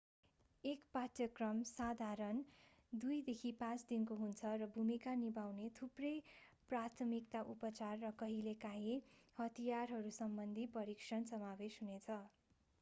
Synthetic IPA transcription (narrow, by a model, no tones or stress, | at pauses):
ekpat̪jʌkrʌmsad̪ʱaɾʌn | d̪ujd̪ekʰipãt͡sd̪inkoɦunt͡sʰʌrʌbʱumikanibawnet̪ʰuprʌjprat̪ʰʌmikt̪aʔupʌt͡sarːʌkʌɦilekaɦĩhʌt̪ʰijarɦʌɾusʌmbʌnd̪ʱipʌɾiksʌnsʌmabesɦunet͡sʰʌ